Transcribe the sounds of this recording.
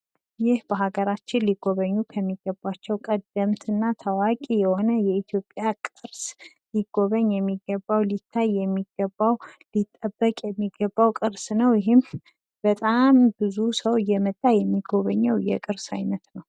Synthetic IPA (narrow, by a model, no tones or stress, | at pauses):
jɪhb̥əɦaɡəɾat͡ʃːɪnliɡ̥o̞βəɲːukʰəmːiɡəbːat͡ʃːɛwkʼəd̪əmt̪ʰɨnːat̪ʰəwakʼijɛho̞nəjɛit̪ʰjo̞pʼjakʼɨɾs | liɡ̥ːo̞βəɲjɛmːiɡːəbːawlit̪ʰːajːɛmːiɡ̥ːəbːawlit̪ʼːəbːəkʼjɛmːiɡəbːawkʼɨɾsnəwjɪɦɪm | b̥ət̪ʼambɨzusəwjɛmət̪ʼːajɛmːiɡo̞βəɲːɛwjɛ̰kʼɨɾsa̰jnət̪nəw